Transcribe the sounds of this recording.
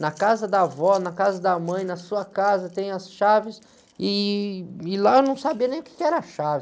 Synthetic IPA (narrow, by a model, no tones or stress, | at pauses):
nɐkazɐd̪ɐavɔnɐkazɐd̪ɐmɐ̃j̃nɐsuɐkazɐt̪ẽj̃ɐsʃavɪs | ɪ | ɪlaenɐ̃w̃sabiɐnẽj̃ʊkɪ̥kɪɛɾɐaʃavɪ